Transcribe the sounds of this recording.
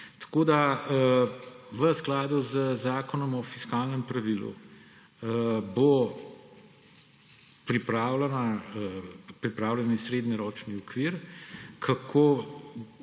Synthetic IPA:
t̪ḁkod̪aəʋəsklaːd̪uzəzaːkɔnɔmɔfiskaːlnəmpɾɐʋilṵ | bo | pɾipɾaːwlɛna | pɾipɾaːwlʲɛnisɾeːd̪nɛɾɔːt͡ʃniɔkʋiɾkʰakʰo

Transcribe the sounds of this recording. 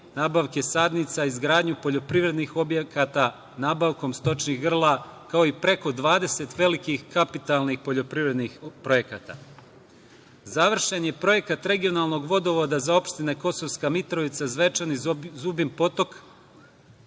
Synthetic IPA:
naːbaʋke̞sad̪nit̪saizɡɾaːd̪ɲupo̞ʎo̞pɾiʋɾe̞d̪nixo̞bjekat̪a | naːbaʋko̞mst̪o̞t͡ʃniɣɡr̩lˠakao̞ipɾe̞ko̞d̪ʋaːd̪e̞se̞t̪ʋe̞likixkapit̪alˠnixpo̞ʎo̞pɾiʋɾe̞d̪nixpɾo̞je̞kat̪a̰ | zaʋr̩ʃeɲe̞pɾo̞je̞kat̪ɾe̞ɡio̞nalˠno̞ɡʋo̞d̪o̞ʋo̞d̪azao̞pʃt̪ineko̞so̞ʋskamit̪ɾo̞ʋit̪sazʋe̞t͡ʂanizubimpo̞t̪o̞k

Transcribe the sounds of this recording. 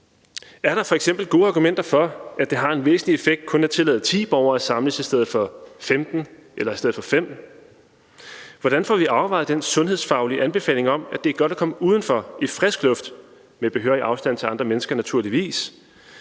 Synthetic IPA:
æɐɾɑ̈fɒ̽eɡ̥sem̰b̥l̩ɡ̥o̝ːɑ̈ɡ̥umen̰d̥ɐfɒ̽æd̥e̝ɦɑ̈e̝nʋḛːsn̩lie̝feɡ̥̚d̥̚kʰɔ̽næt͡sʰe̝lɛ̰ːð̩ˠt͡sʰḭːb̥ɒʊɐːæsɑ̈mləsisd̥eð̞̩ˠfɒ̽femd̥n̩ʔelɐisteð̞̩ˠfɒ̽fem̰d̥n̩ | ʋɒɾ̥ænfɒʋiʔɑ̈ʊʋɑ̈ɪðˠd̥ensɔ̽nɦe̝ð̰ˠsfɑ̈ʊliʔænb̥e̝fɛ̰ːle̝ŋɒ̽m̰æd̥eæɐɡ̥ɒ̽ɾ̥ækʰɒ̽məuːð̞ˠn̩fɒ̽ifʁɛsɡ̥lɔ̽fd̥ | meb̥e̝ɦøɐiʔɑ̈ʊsd̥æn̰t͡sʰe̝ɑ̈nd̥ʁɐmenəsɡ̥ɐnæt͡sʰuɐliʋḭːs

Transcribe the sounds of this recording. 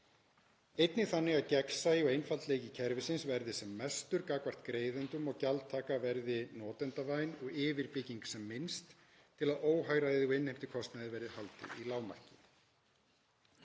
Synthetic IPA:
ejt̪nɪθanːɪɣacɛksajɪɔɣejnfalt̪leːjcɪcʰɛɾvɪsɪnsvɛɾðɪsɛmːɛst̪ʏɾkaːkvar̥t̪kɾeːjðʏnt̪ʏmɔɣcalt̪ʰaːkavɛɾðɪnɔːt̪ɛnt̪avajnɔɣɪːvɪɾpɪciŋksɛmːɪnst̪ʰː | ɪlaðoːwɦaːjɾaðɪɔejnhejm̥t̪ɪkʰɔst̪naðɪvɛɾɪhalt̪ɪ̰ilaːwma̰r̥cɪ

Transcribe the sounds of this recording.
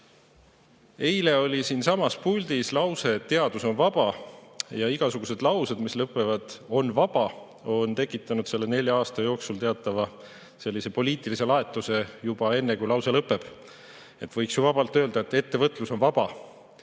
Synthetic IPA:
e̞jle̞o̞lʲisiːnsɑmɑspulʲd̪̥islɑwse̞t̪ːe̞ɑd̪̥uso̞nvɑb̥ɑjɑiɡ̥ɑsuɡ̥use̞d̪̥lɑwsed̪mislɤpːˑe̞vɑd̪̥o̞nvɑb̥ɑ | o̞nt̪e̞kːˑit̪ːˑɑnud̪̥se̞lːe̞ne̞lʲjɑɑːst̪ɑjo̞ːksult̪e̞ɑt̪ːˑɑvɑ | se̞lːise̞po̞liːt̪ilise̞lɑe̞t̪ːˑuse̞jub̥ɑe̞nːe̞kujlɑwse̞lɤpːˑe̞b̥ | e̞t̪vɤjksjuvɑbɑlt̪ˑøːld̪ɑet̪ːe̞t̪ːe̞vɤt̪ːˑluso̞nvɑb̥ɑ

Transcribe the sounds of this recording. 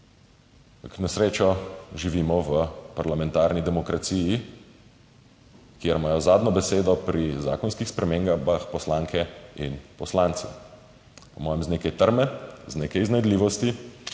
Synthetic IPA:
knɛsɾeːt͡ʃɔʒiʋiːmɔʋəpaɾlamɛ̃nt̪aːɾnid̪ɛmɔkɾat̪siːji | kjeɾmaːjɔzaːd̪nɔbɛseːd̪ɔpɾiza̰ːkɔnskixspɾɛmeːŋɡabaxpɔslaːŋkʰɛinpɔslant̪sɛ̰ | pɔmɔːjɛmzneːkɛjt̪əɾmɛzneːkɛjiznajd̪liːʋɔst̪i

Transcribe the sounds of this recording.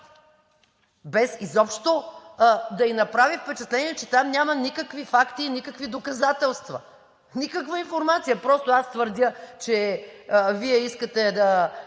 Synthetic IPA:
bɛsizɔpʃt̪o | d̪ɐinɐpɾavifpɛt͡ʃɐt̪lɛnʲiɛt͡ʃɛt̪amnʲamɐnikəkvifakt̪iːnʲikəkvid̪okɐzat̪ɛlˠst̪vɐ̰ | nikəkvəinfoɾmat̪sijəpɾɔst̪oast̪vəɾd̪ʲət͡ʃɛ | viɛiskət̪ɛd̪ɐ

